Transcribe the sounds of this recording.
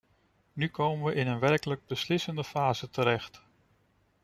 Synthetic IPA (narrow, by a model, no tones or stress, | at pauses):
nykowmənʋəʔɪnənʋɛɹkələɡ̚bəslɪsəndəfaːzətəɾɛχt